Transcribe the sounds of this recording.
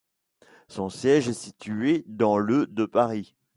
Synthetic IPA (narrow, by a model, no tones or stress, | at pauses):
sɔ̃sjɛʒɛsit̪ʰyed̪ɑ̃lød̪əpaʁi